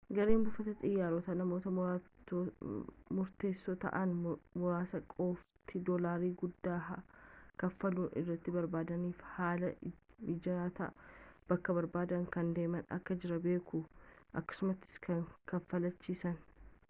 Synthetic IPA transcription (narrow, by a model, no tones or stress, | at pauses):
ɡɐɾeːmbʊfɐt̪ɐt̪ʼɪjːaːɾot̪ɐnɐmo̞ːt̪ɐ | mʊɾt̪e̞ːsːoːt̪ɐ̰ʔɐnmʊɾaːsɐkʼoːft̪ʰɪd̪oːlaːɾiːɡʊd̪ːaːɦɐkɐfːɐluːnʔɪ̰rːɐt̪ːɪbɐɾbaːd̪ɐniːfhaːlɐɪd͡ʒɐaːt̪ɐ̰ʔb̥ɐkːɐbɐɾbaːd̪ɐŋkɐnd̪e̞ːmɐnɐ̰kːɐd͡ʒɪɾɐbe̞ːkʊʔɐkːɐ̥sʊmɐt̪ːɪ̥skʰɐŋkɐfːɐlɐt͡ʃːiːsɐn